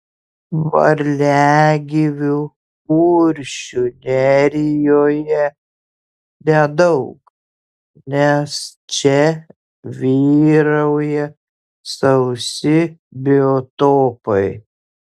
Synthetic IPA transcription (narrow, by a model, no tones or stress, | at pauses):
ʋɐ̰ɾʲlʲæːɡʲɪʋʲu | uːɾʲʃʲʊnʲɛɾʲɪjoːjɛ | nʲɛd̪ɐʊk | nʲɛst͡ʃʲɛ | ʋʲiːɾɐʊjɛ | sɐʊsʲɪbʲɪot̪oːpɐɪ